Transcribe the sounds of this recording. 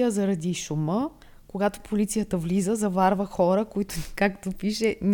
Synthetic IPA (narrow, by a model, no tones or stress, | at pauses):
jəzɐɾɐd̪iʃumə | koɡat̪opolit̪sijət̪əvlizəzɐvaɾvəxɔɾəkoit̪ʊkakt̪opiʃɛn